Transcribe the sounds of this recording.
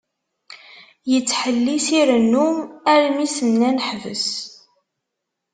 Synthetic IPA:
jət͡sːħəlːisiɾənːumæɾmisənːænəħvə̰s

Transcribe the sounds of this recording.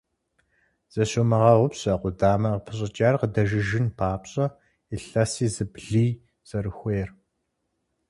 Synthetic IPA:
z̥ɐɕomɐʁɑʁʷʊpɕɐqʷʊdaːmɐʁəpʰɨɕʼɐt͡ʃʼaːrqədɐʒɪʒɪnpʰaːpɕʼɐ | iɬɐsiːzɨbɮiː | z̥ɐɾɨxʷejr

